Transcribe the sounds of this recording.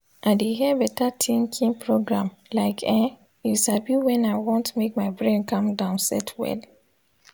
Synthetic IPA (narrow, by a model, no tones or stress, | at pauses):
ʔaɪdeɦibɛtatʰĩŋkʰĩŋpʰɹoɡɹãmlaɪkʰɛ̃ | isabjuwɛ̃naɪwɔ̃ntmek̚maɪbɹẽnkʌ̃mdãʊ̃nsɛ̰tʰwɛ̰d